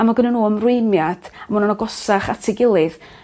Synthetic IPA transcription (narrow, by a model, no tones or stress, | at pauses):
amaɡənənuːəmrʊjmjad̥amunanɔɡɔsaχatʰɪɡɪlˠɨð